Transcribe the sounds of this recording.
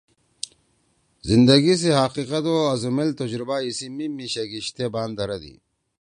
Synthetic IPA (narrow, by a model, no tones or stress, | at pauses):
zind̪ɐɡis̬eɦaqiqɐt̪oɐzumilt̪ɐd͡ʑɾubaːisimimiɕɐɡiɕt̪ebaːnd̪ɐɾɐd̪ḭ